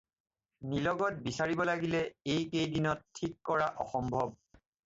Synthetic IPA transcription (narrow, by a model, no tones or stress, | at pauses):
nilɔɡɔt̚bisaɹibɔlaɡilɛejkejdinɔtʰːikːɔɹaʔɔxɔmbʱɔb̚